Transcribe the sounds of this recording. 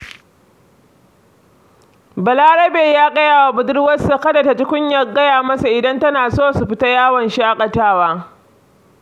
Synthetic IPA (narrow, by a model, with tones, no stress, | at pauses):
bɐ˨laː˦ɽɐ˦beː˨jaː˦ɡʼɐ˦jaː˨wa˨bʊ˨dɪ˦ɽwɐ˦sa˨kɐ˦dɐ˨ta˨t͡ʃɪ˦kʷʊ˦ɲjɐ˨ɡɐ˦jaː˨mɐ˦sa˨ʔɪ˨dɐ˦ntɐ˦naː˨soː˦˨su˨ɸɪ˦ta˦jaː˦wɐ˨nʃi˦ʔa˦kʼɐ˨taː˦waː˦